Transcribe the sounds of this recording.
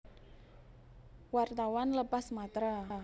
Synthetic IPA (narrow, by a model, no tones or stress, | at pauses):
wart̪awanləpasmat̪ɾa